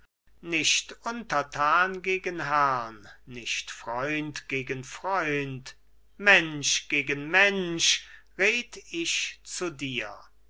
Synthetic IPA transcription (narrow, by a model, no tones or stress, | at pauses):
nɪʃtʔʊntɐtʰaːnɡeːɡənɦæʁnːɪʃtfʁ̥ɔʏntɡ̥eːɡənfʁ̥ɔʏnt | mɛnʃɡ̥eːɡənmɛnʃ | ʁeːtɪʃt͡sudiːɐ